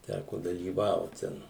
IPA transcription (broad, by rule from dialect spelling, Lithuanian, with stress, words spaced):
ˈtʲækoː dɐlʲiːˈʋɐʊt ˈtʲɛn